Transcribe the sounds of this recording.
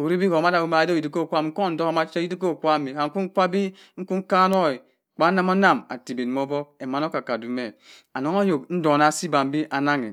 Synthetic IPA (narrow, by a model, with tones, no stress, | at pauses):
o˨wɾi˦bi˦ko˨ma˦da˨bo˨˦ma˨di˨di˦ko˦˨kʷa˦m˦ŋ̩˦ko˦˨n̩˦do˦ka˦ma˦t͡ʃe˦i˦di˦k̬o˦˨kʷa˦˨mi˨ka˨ŋ̩˦ku˦ŋ̩˦kʷa˦bi˦ | ŋ̩˦ku˦ŋ̩˦ka˦no˦i˨ | k͡pa˦na˦ma˦na˦˨ma̰˨ti˨be˨m˦o˦bɔ˦e˨ma˨n˦o˦ka˨ka˨du˨me˨ | a˨no˦ŋa˦jo˨kn̩˦do˨na˦˨si˦ba˨m̩˦bi˦ʔa˨na˦ŋḛ˨